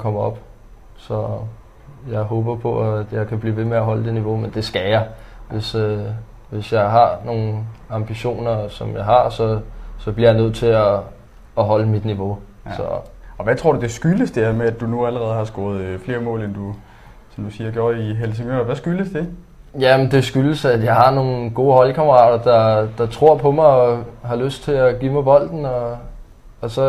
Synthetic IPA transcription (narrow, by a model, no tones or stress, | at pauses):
kʰɒ̽m̰ɐɒ̽b̥ | sɒ̽ | jɑ̈ɪɦɔ̽ːb̥ɐpʰɒ̽æd̥jɑ̈ɪkʰæb̥lḭːʋe̝meæɦɒ̽ləd̥e̝niʋo̝mend̥e̝sɡ̥æjɑʋe̝sø | ʋe̝sjɑ̈ɪɦɑ̈no̝ːn̩ɑ̈mb̥iɕo̝̰ːnɐsɒ̽mjɑ̈ɪɦɑ̈sɒ̽sɒ̽b̥liɐjɑ̈ɪnøð̞̰ˠt͡sʰe̝ɒː | ɦɒ̽ləmid̥niʋo̝ | sɒ̽ɒ̽ʋæt͡sʰʁo̝ɐ̰d̥ud̥e̝sɡ̥yləsd̥eɐmeæd̥unuæləʁɛːð̞̩ˠhɑ̈sɡ̥ɔ̰ːð̞̩ˠfle̝ːɐmɔ̰̽ːlend̥u | sɒ̽md̥usiːɐɡjoɐiɦels̬eŋø̰ʋæsɡ̥yləsd̥e̝ | jæmend̥e̝sɡ̥yləsæjɑ̈ɪhɑ̈no̝ːn̩ɡ̥o̝ːɦɒ̽lkʰɑməʁɑ̰̈ːd̥ɐd̥ɑ̈d̥ɑ̈t͡sʰʁo̝ɐ̰pʰɒ̽mɑ̈ɪɒɦɑ̈løsd̥̚t͡sʰe̝æɡ̥ḭːmɑ̈ɪbɒ̽l̰d̥n̩ɒ̽ː | sɒ̽